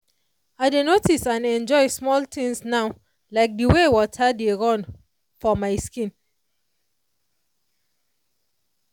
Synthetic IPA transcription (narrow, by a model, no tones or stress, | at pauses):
aɪdenotisãnɛ̃nd͡ʒɔɪsmɔltĩŋsnaʊ | laɪk̚diwewɔtʰadeɹɔ̃n | fɔmaɪskĩn